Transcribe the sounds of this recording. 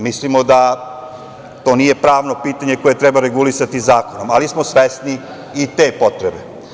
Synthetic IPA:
mislimo̞d̪a | t̪o̞ːnije̞pɾaːʋno̞piːt̪aɲe̞ko̞je̞t̪ɾebaɾe̞ɡulisat̪izaːko̞nomalismosʋest̪niː | t̪e̞ːpo̞t̪ɾebe

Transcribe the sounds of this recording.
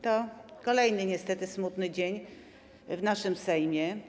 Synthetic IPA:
t̪ɔkɔlɛjnɘɲɛst̪ɛt̪ɘsmut̪nɘd͡ʑeɲ | vnaʂɘmsɛjmʲjɛ

